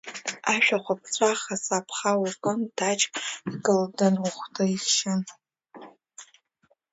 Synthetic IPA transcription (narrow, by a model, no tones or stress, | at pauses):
aʃʷᶣaχʷap̚ʰt͡sʷʰʼaχasapʰχawukʼɨndat͡ʃʼɡɨldanuχʷtʰʼɨiχʃɪn